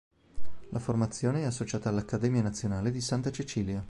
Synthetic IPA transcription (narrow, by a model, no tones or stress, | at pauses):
lʔaformat̪sːjoːneɛas̬ːot͡ʃaːt̪aːlːakːad̪ɛːmianat̪sːjonaːled̪isant̪at͡ʃit͡ʃiːlja